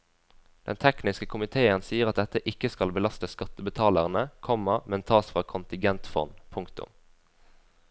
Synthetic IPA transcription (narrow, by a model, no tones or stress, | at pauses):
d̪̥ɛ̰nt̪ʰɛknɪskəkʰʊmɪt̪ʰeːənsiːəʁɑt̪̚d̪ɛt̪əʔɪkəskɑlbəlɑst̪əskɑt̪əbət̪ʰɑːləʁnəkʰɔməʁmɛnt̪ʰɑːsfʁɑːkʰʊnt̪ɪŋɡɛnt̪fɔ̰npʰʊŋkt̪ʊ̰m